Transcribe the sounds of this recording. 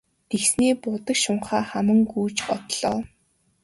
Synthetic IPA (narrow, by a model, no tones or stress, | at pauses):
t̪ʰeksniːpʊt̪ə̆kʃʊɴχaːχamə̆ŋɡuːt͡ɕɔt̪ɮ̥ɔ̰ː